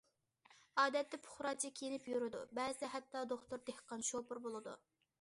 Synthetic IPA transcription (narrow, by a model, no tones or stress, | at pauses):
ɑːd̪ɛt̪ːɛpʰʊ̥χɾɑt͡ʃʰikʲʰejinɪpjuɾɨd̪ṵbɛːzɨd̪ɛɦɛt̪ːɑd̪oχt̪ʊɾd̪ehqɑnʃopʊɾbolˠɨd̪ṵ